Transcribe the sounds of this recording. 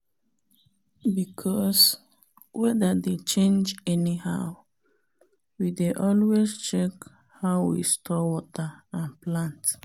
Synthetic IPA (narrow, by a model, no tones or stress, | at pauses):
bikʰɔs | wɛdədet͡ʃẽnd͡ʒɛnihaʊ | wideʔɔlwest͡ʃɛk | haʊwḭstʰɔwɔtəãnplãnt